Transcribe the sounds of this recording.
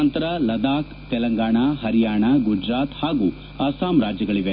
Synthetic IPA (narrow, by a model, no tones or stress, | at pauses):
ɐnt̪ɾɐlɐd̪aːkt̪ɛlɐŋɡaːɳaːɦɐɾijaːɳaɡud͡ʒɾaːt̪haːɡuː | ɐsaːmɾaːd͡ʒjɐɡɐɭiʋe